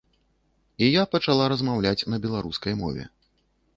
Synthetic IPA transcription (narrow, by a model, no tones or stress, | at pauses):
ijapɐt͡ʂalˠaɾɐzmawlʲat͡sʲnɐbʲɛlˠaɾuskɐjmɔ̰vʲɛ̰